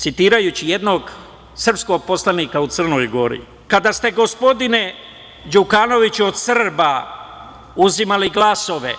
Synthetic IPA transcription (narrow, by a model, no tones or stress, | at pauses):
t̪sit̪iːɾajut͡ɕijed̪no̞ɡ | sr̩psko̞ɡ̚po̞slaniːkaut̪sər̩no̞jɡo̞ɾḭ | kad̪ast̪e̞ɡo̞spo̞d̪ine̞ | d͡ʒukano̞ʋit͡ɕuo̞d̪srba | uzimaliɡlˠaso̞ʋe̞̰